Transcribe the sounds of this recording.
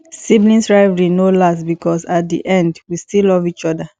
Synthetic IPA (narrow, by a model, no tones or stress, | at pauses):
siblĩnsɹaɪvəɹinolasbikɔsat̚dḭʔɛ̃ndwistilɔvit͡ʃɔda